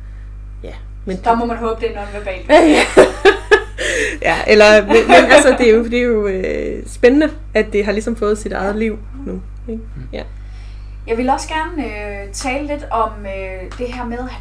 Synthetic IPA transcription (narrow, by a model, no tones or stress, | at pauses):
jæ | mend̥ɑmɒmænɦɔːb̥əd̥e̝ænɔ̽ːn̩ʋæɐb̥ɛ̰ːld̥æ | jæʔelɐenmenælsɐd̥e̝æjod̥ḭjo̝øsb̥enənə | æd̥d̥e̝ɦɑ̈lisɒ̽mfɔ̽ːð̞̩ˠsid̥ɑ̈ɪð̞̩ˠliʊ̰ | nu | eɡ̥ | jæ | jɑ̈ɪʋe̝lɒ̽sɡ̥æɐnəø | t͡sʰɛːləle̝d̥ɒ̽mø | d̥e̝ɦæɐ̰meðˠ